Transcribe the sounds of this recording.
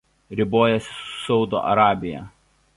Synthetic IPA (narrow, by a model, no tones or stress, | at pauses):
ɾʲɪboːjɛsʲɪ̥sʊ̥sɒʊd̪o̰ːʔɐ̰ɾɑːbʲɪjɛ̰